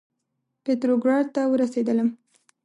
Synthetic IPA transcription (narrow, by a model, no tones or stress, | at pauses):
pet̪ɾoɡɾɑɖ̚t̪awəɾased̪ələm